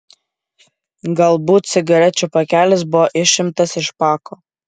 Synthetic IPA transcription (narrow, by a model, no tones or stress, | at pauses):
ɡɐlˠbuːt̪̚sʲɪɡɐɾʲɛt͡ʃʲupɐkʲæːlʲɪs̬bʊʋɔʔɪʃʲɪmt̪ɐsɪʃpɑːkʰoː